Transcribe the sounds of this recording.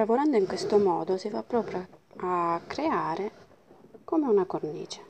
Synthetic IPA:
lavoɾand̪oiŋkwest̪omɔːd̪osifapːɾɔːpɾjaakːɾeaːɾe | komeunakornḭːt͡ʃe̥

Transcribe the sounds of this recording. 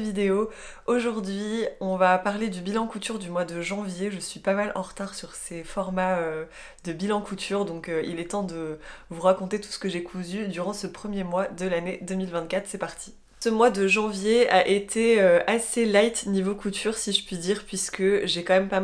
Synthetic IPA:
vid̪eo | oʒuʁd̪ɥiɔ̃vapaʁled̪ybilɑ̃kut̪yʁd̪ymwad̪əʒɑ̃vjeʒəsɥipamalɑ̃ʁət̪aʁsyʁsefɔʁmaø | d̪əbilɑ̃kut̪ʰyʁd̪ɔ̃køḭlɛt̪ɑ̃d̪əvuʁakɔ̃t̪et̪u̥sə̥kəʒekʰuzyd̪yʁɑ̃səpχəmjemwad̪əlaned̪əmilvɛ̃t̪̚kʲat̪χsɛpaʁt̪ʰi̥ | səmwad̪əʒɑ̃vjeaʔet̪ʰeøaselajt̪nivokut̪ʰyʁsiʒəpɥid̪iʁpɥiskəʒekɑ̃mɛmpa

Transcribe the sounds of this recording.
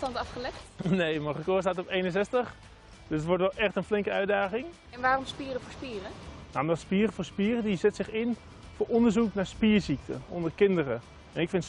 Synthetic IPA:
tɑntɑfχəlɛχtnejmɔrəkoːstaːtɔpejnənsɛstəχ | døsətʋɔɹtʋɛlˠʔɛχtənflɪŋkəœɥdaːχɪŋ | ɛnʋaːrɔmspiːrəfoːɹspiːrənamdɔtspiərəfoːɹspiːrədizɛtsɪχɪn | fʊːɹɔndəɹzuknaɹspiəɹsik̚tʰə̰ɔ̰ndərkɪndərə | ɛnɪkfɪnt

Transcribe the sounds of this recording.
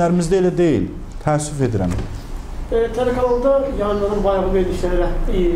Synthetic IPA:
æɾimizd̪æelæd̪ejḭl | t̪ʰæːsːyfed̪iɾæ̰m | t̪ʰæɾækʰælolˠd̪ɯjɑnd̪ɯɾɯnbɑjʁɯbeɾliʃlæɾiɾæ

